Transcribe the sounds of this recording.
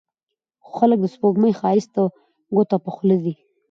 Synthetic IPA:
xo̥xalək̚d̪əspoɡməjxɑɪst̪a | ɡot̪apaxləd̪i

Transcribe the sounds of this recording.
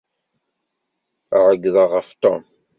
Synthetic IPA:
æʕəɡːðəʁəft̪o̰m

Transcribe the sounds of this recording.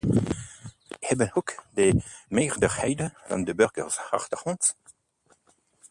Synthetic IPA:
hɛbənhukdəmeːʁdəʁhɛjdəv̥ɑ̰ndəbøʁɡə̰rsa̰χtəχɔnt

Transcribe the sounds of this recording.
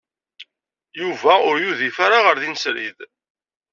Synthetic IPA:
juvæʊɾjuðifaɾaʁəɾðinsɾḭð

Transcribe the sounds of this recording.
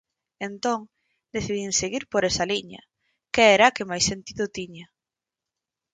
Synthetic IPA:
ent̪oŋ | d̪eθiðiŋseɣiɾpoɾɛsɐliɲɐ̰ | keɛɾakɪmajsent̪iðʊt̪iɲa

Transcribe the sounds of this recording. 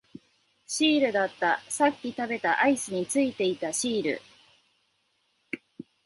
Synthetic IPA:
ɕiːɾɯ̟d̪at̪ːasakʲːit̪abe̞t̪aʔaisɨɲ̟it͡sɨit̪e̞it̪aɕiːɾɯ̰

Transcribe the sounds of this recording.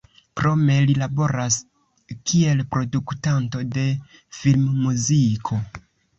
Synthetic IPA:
kɾo̞me̞lilabo̞ɾas | kʰie̞lpɾo̞duktanto̞de̞ | filmːuzikʰo̞

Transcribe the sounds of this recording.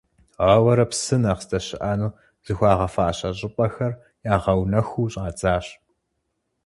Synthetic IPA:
ʁaːwɐɾɐpsɨnaːʁstɐɕɪʔaːnuː | z̥ɨxʷɑːʁɐfaːʔɕɐɕʼɪpʼɐxɐr | jaːʁɐwnɐxʷuːɕʼaːt͡sʼaːɕ

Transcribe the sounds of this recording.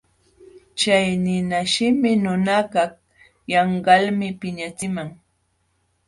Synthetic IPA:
t͡ʃajnɪnaʃɪmɪnʊnakɑ | jɑɴɢɑlmɪpɪɲat͡sɪmaŋ

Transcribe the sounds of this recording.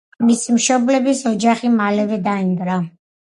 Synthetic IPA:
misimʃɔblɛbisɔd͡ʒaχimalɛvɛd̪aind̪ɾa

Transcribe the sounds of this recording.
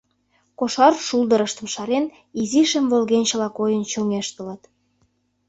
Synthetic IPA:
koʃɑrʃuld̪əɾəʃt̪ə̆mʃɑɾen | iziʃəmvolɣent͡ɕə̆lɑkojənt͡ɕoŋeʃt̪ə̆lə̆t̪

